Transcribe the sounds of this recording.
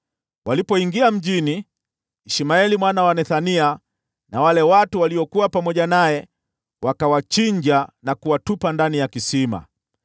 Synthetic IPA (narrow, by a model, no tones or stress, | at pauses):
walipɔiŋɡiam̩ʄiniː | ʃimaɛlimwanawanɛθania | nawalɛwatuwaliɔkuwapamɔʄanajɛ | wakawat͡ʃiɲd͡ʒanakuwatupandanijakisima̰